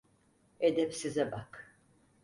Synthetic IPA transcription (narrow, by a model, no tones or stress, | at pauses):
ed̪ɛpsizɛbak